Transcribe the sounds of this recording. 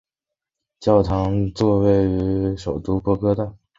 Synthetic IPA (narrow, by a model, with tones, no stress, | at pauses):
t͡ɕjɑ˥˩ʊt̪ʰɑ˧˥ŋt͡swɔ˥˧we˥˩ɪy˧ʂo˨˩ʊt̪u˥pɔ˥kɤ˥t̪a˥˩